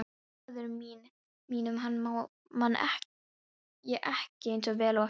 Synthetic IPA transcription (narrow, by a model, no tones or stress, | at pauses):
ðʏɾʏmiːn | miːnʏmɦanːmaw | manːɛ̰h | jɛʔɛhcɪejnsɔvɛːlawa